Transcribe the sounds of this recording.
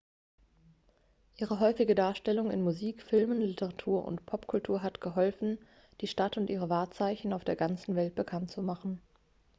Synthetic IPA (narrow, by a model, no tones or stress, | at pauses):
ʔiːʁəɦɔʏfɪɡədaːɐʃtɛlʊŋɪ̰nmuziːkfɪlmənlɪtəʁatʰuːɐʔʊ̰ntpʰɔpkʰʊltʰuːɐɦatɡ̥əɦɔlfn̩ | d̥iːʃtatʊntʔiːʁ̞əvaːɐt͡saɪçn̩aʊfd̥eːɐɡant͡sn̩vɛlt̚b̥əkʰantt͡sumaχn̩